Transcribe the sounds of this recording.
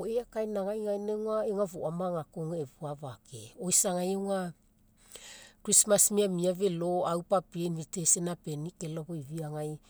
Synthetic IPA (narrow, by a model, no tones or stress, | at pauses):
oeakajnaŋajŋajnewŋaeŋavoʔamaŋakoŋaeβuavakḛojsaŋajewŋa | kɾismasmiamiave̞loawpapienvite̞senape̞nike̞loβoiβiaŋaj